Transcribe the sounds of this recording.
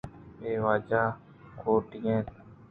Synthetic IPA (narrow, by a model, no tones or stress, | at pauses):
eːʋaːd͡ʒaː | kʰoːʈɪjẽːn